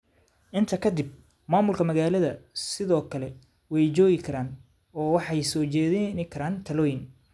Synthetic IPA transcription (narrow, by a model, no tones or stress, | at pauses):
ʔɪnt̪ʰɐkʰɐd̪ɪb̚ | maːmʊlkʰɐmɐɣaːlɐðɐsɪðɔːkʰɐlɛ | wɛjt͡ʃɔːɣɪkʰɐɾaːn | ɔːwɑħɑjsɔːt͡ʃɛːðɪnɪkʰɐɾaːnt̪ʰɐlɔːjɪn